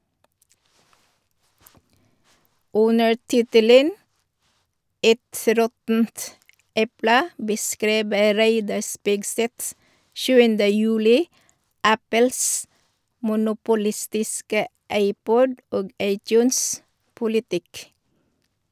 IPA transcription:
ˈʉnəɾ ˈtɪtələn ˈɛt ˈɾɔtn̩t ˈɛplə bəˈskɾiːbə ˈɾæɪdɑɾ ˈspɪɡsɛt ˈʃʉːəndə ˈjʉːlɪ ˈæpəls mʊnʊpʊˈlɪstɪskə ˈɑɪˌpɔd ˈoːɡ ˈɑɪˌtjʉːns pʊlɪˈtɪk

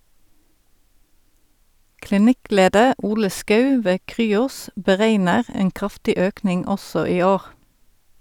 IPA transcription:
klɪˈnɪˌkleːdəʁ ˈuːlə ˈskœʉ ˈʋeː ˈkʁyːɔs bəˈʁeɪnəʁ ˈeːŋ ˈkʁɑftɪ ˈøːknɪŋ ˈɔsɔ ˈiː ˈoːʁ

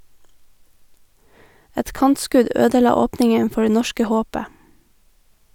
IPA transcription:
ˈɛt ˈkɑntˌskʉd ˈøːdəˌlɑː ˈoːpnɪŋən ˈfɔ ˈɖeː ˈnɔʃkə ˈhoːpə

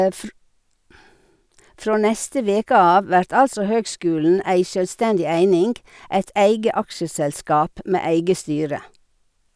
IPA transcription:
ˈfɾoː ˈnɛstə ˈʋeːkə ˈɑːʋ ˈʋæɾt ˈɑlsɔ ˈhøːɡˌskʉːln̩ ˈæɪ ʃœlˈstɛndɪ ˈæɪnɪŋɡ ˈæɪt ˈæɪɡə ˈɑkʃəsɛlˌskɑːp ˈmeː ˈæɪɡə ˈstyːɾə

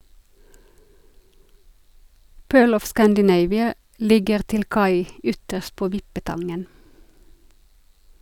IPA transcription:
ˈpøːɭ ˈɔf ˌskændəˈneɪʋɪə ˈlɪɡəʁ ˈtɪl ˈkɑɪ ˈʏtəʃt ˈpoː ˈʋɪpəˌtɑŋən

